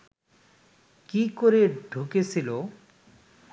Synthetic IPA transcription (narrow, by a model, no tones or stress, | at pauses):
kikoɾeɖʱuket͡ɕʰilo